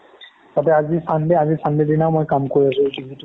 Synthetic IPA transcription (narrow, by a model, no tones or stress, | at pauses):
tatɛazisandɛazisandedinaʊmojkamkoɹias̬ʊ̃ɡibʱitu